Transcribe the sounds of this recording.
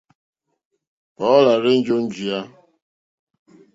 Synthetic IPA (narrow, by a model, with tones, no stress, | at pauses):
pɔ˨˦la˨ɾɪ˦n̩˦d͡ʒo˦n̩˦d͡ʒi˨a˦